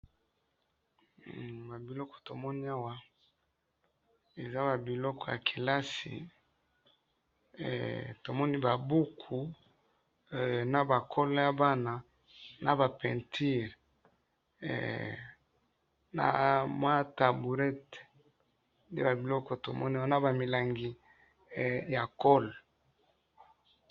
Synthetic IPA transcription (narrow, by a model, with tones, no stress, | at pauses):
ba˨bi˨lɔ˦kɔ̥˨to˨mɔ˦ni˦a˦wa˦ | e˨za˦ba˨bi˨lɔ˦kɔ˦ja̰˨kʰi˨la˦sḭ˨ | to˨mɔ˦ni˦ba˨bu˦kʰu˨ | na˨ba˨kʰɔ˦lɔ˦ja˦ba˦na˨ | na̰˨ba˨pɛ˨ntʰi˦ʁ | na̰˨mwa˦ta˨bu˨ʁɛ˦t | ndḛ˦ba˨bi˨lɔ˦kɔ˨to˨mɔ˦ni˦wa˦na˦ba˨mi˨la˨ŋɡi˨ | ja˨kɔ˦lɔ˨